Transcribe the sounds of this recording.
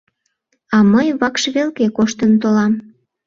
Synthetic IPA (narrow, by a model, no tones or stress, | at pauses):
ɑməjβɑkʃβelkekoʃt̪ənt̪olɑm